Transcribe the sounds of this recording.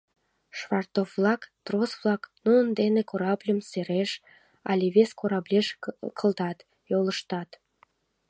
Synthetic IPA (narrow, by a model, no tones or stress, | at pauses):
ʃβɑrt̪ovːlɑkt̪rosβlɑknuənd̪enekoɾɑblʲəmseɾeʃ | ɑ̰lʲiβeskoɾɑblʲeʃkʰəld̪ɑt̪ | joləʃt̪ɑt̪